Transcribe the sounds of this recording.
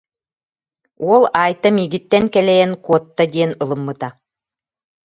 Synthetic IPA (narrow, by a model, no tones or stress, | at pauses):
uɔlˠaːjt̪amiːɡit̪ːɛnkɛlɛjɛnkuɔt̪ːad̪iɛnɯlˠɯmːɯt̪a